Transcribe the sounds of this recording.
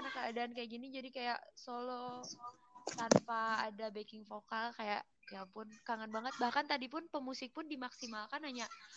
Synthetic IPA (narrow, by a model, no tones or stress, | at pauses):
nakəadaːnkajaʔɡinid͡ʒadikajaʔsolo | t̪anpaːdabekɪŋfokalkajaʔ | japʊnkaŋanbaŋət̪̚bahkant̪adip̬ʊnpəmusɪk̚pʊndimaksimalkanaɲaʔ